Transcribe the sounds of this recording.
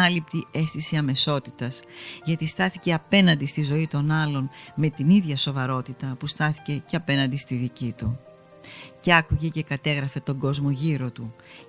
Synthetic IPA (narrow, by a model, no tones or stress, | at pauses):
ɐlip̚t̪ie̞st̪isiɐme̞so̞t̪it̪ɐzʝɐt̪ist̪ɐθice̞ɐpe̞nɐnd̪ist̪izo̞it̪o̞nɐlo̞nme̞t̪iniðʝɐso̞vɐɾo̞t̪it̪ɐpust̪ɐθi̥ce̞ceɐpe̞nɐnd̪ist̪iðicit̪u | ce̞ɐkuʝe̞ce̞kɐt̪e̞ɣɾɐfe̞t̪o̞ŋɡo̞zmo̞ʝiɾo̞t̪u